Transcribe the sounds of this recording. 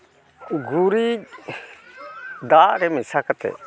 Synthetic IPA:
ɡuɾi | d̪aʔɾɛmɪsakat̪ɛ̰

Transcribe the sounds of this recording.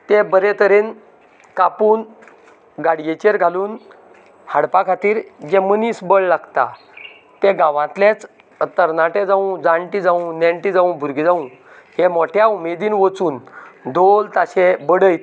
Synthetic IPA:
t̪ẽbəɾet̪əɾen | kapuːn | ɡaɽjet͡ɕeɾɡʱaluːn | haɽpakʰat̪iːɾd͡ʑeməniːsbəɭlaɡt̪a̰ | t̪eɡãʋãt̪lẽt͡s | t̪əɾnaʈed͡zaũd͡zaɳʈid͡zaũneɳʈid͡zaũbʱuɾɡid͡zaũ | hemoʈʰjaumed̪iːnʋət͡suːnd̪ʱolt̪aɕẽbəɽəjt̪

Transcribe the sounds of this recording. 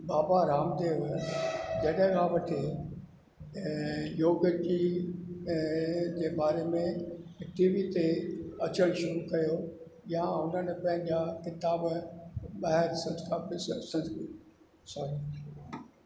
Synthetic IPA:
baːbaɾaːmd̪eːʋ | d͡ʑɐɗɦɡaːʋɐʈʰe | joːɡd͡ʑi | d͡ʑeːbaːɾemẽʈiːʋit̪eɐt͡ɕəɽ̃ʃʊɾukɐjo | jaʊn̤ənɪ̆pɐ̃ɦɪ̃ɲ̆d͡ʑakɪt̪aːb | ɓaːɦɪɾsɐ̃nskapɪssɐ̃ns | saɾ

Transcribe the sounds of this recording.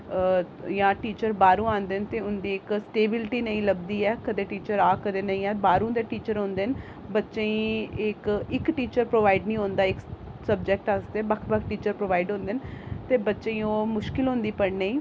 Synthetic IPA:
jãːʈiːt͡ʃəɾbaːɾũːãːnd̪ent̪eːʊnd̪iːɪksʈeːbɪlʈiːnəĩːləb̚d̪iːɛːkəd̪eːʈiːt͡ʃəɾaːkəd̪eːnəĩːɛːbaːɾũːd̪eːʈiːt͡ʃəɾɦõːnd̪ɪn | bətːʃẽĩːɪkɪkʈiːt͡ʃəɾpɾoːʋaːɪɖnĩːɦõːnd̪aːɪk | səb̚d͡ʒɛːk̚ʈasd̪eɛːbəkʰbəkʰʈiːt͡ʃəɾpɾoːʋaːɪɖɦõːnd̪ɪnt̪eːbətːʃẽĩːoːmʊʃkɪlɦõːnd̪iːpəɽneĩː

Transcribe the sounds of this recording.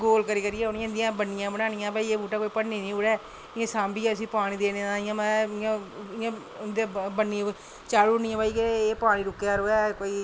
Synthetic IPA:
ɡoːlkəɾiːkəɾijɛːʊnɪ̃ːnd̪ijãːbənːɪjãːbəɽ̃aːnɪjãːbaːiːeːbuːʈaːkoːiːpəɽniːnĩːʊɽɛː | ɪãːsãːmbiːɛːt̪əsĩːpaːɽ̃ĩːd̪eːneããːjãːmãːɪãː | nd̪ãːbənːiã | t͡ʃaːɽuːnɪ̃ãːbaːiːkeːpaːɽ̃iːɾʊkːeaːɾoːɛːkoːiː

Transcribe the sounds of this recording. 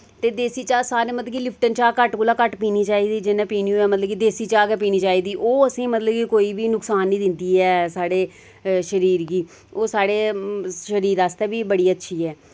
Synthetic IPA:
t̪eːd̪eːsiːt͡ʃaːsaːɾẽːmət̪ləɡiːlɪpʰʈənt͡ʃaːkəʈkoːlaːkəʈpiːniːt͡ʃaːiːd̪iːd͡ʒɪnãːpiːniuːɛːmət̪ləbiːd̪eːsiːt͡ʃaːkɛːp̬iːniːt͡ʃaːiːd̪iːʔoːəsĩːmət̪ləbkiːkoːiːbiːnʊksaːnːĩːd̪ɪnd̪iːɛːsaːɽeː | ʃəɾiːɾɡiː | oːsaːɽeːʃəɾiːɾaːst̪ɛːbiːbəɽiːətːʃʰiːɛː

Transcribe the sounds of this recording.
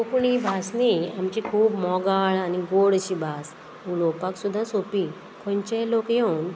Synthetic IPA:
kokuɳ̃ibʱasniamt͡ɕikʰuːbmɔɡaɭaniɡoɽət͡ɕibʱas | ulopaksud̪ʱːãsopi | kʰɔ̃ɲt͡ɕelokjen

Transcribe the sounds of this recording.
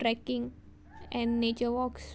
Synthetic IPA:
ɾɛkɪ̃ŋ | ʔɛ̃nːet͡ʃəwɔks

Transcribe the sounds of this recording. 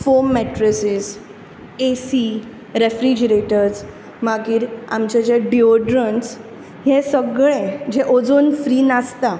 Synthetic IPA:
fomːɛʈɾəsis | esi | ɾefɾid͡ʑəɾeʈəɾs | maɡiːɾa̰mt͡ɕad͡ʑeɖioɖɾəns | ɦẽsəɡɭẽd͡ʑeʔod͡zonfɾiːnast̪a

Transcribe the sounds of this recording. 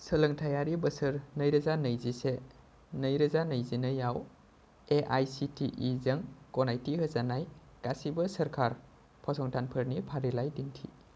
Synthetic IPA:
sələŋtʰajaɾibəsɯɾnəjɾɐzanəjzise | nəjɾɐzanəjzinɯjaw | eʔajsitʰiʔizɐŋkɔnajtiɦəzanaj | ɡ̥asibɐsɐɾkʰaɾ | pʰɔsɔŋtʰanpʰəɾnipʰaɾilajdintʰḭ

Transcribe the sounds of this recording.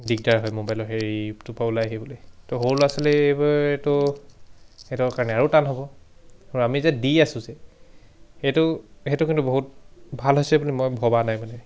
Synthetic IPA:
dik̚daɹɦɔjmobajlɔɦeɹiptʊpablajaɦibɔlojtɔɦolasɔlɛebɔtʊ | etɔkaɹnɛaɹutanɦɔbɔɔɹamizadiasʊ̃zɛ | etʊhetʊkintuboɦut̚bʱalɦojsɛbulimojbʱɔbanajmanɛ

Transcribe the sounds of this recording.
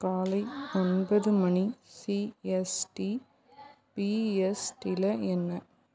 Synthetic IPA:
kaːlɐɪɔnbɐðɯmɐɳisiɛsʈi | piɛsʈɪlɐɛnːɐ

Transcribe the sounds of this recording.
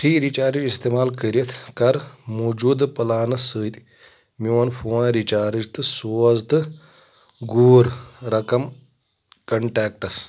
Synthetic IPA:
ʈiːɾit͡ʃaːɾid͡ʒist̪eːmaːlkəɾʲit̪ʰkɐɾmoːd͡ʒuːd̪pɐlaːnɨsəːt̪ʲ | miʋɐnfoːnɾit͡ʃaːɾid͡ʒt̪ɨsoːzd̪ɨ | ɡuːɾɾɐkɐm | kɐɳʈaːk̚ʈɐs

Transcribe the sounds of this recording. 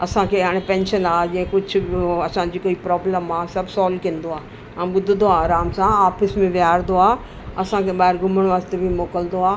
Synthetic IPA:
ɐsãkʰeːɦaːɽ̃epɛ̃ːnʃənaːd͡ʑĩɦẽkʊd͡ʑʱʊɐsãd͡ʑiːkoːipɾɔːbləmaːsɐbʱsaːlkĩə̃nd̪oaː | ãɓʊd̪ʱd̪oaːɾaːmsãaːfɪsmẽʋjaːɾd̪oaː | ɐsãkʰeɓaːɪɾɡʱʊməɽ̃ʋaːzt̪ebʱimoːkəld̪oaː

